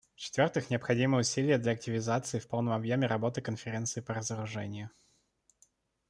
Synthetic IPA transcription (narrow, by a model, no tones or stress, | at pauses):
ft͡ɕɪ̥t̪vʲo̞rt̪ɨxnʲɪɐpxɐdʲimɨʊsʲilʲɪjəd̪lʲɐɐk̚tʲɪvʲɪzat̪sɨɪfpo̞lˠnəmɐbjomʲɪɾɐbo̞t̪ɨkənfʲɪɾʲe̞nt̪sɨɪpəɾəzəɾʊʐɛ̰nʲɪjʊ